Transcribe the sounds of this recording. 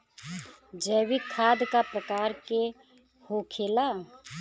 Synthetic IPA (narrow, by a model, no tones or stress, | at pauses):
d͡ʒəːwikʰaːd̪kapɾəkaːɾke | hoːkʰeːla